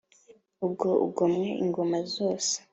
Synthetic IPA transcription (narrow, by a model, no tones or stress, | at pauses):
ub̚ɡo̞ʔṵɡomŋeʔiŋɡomazoːse̥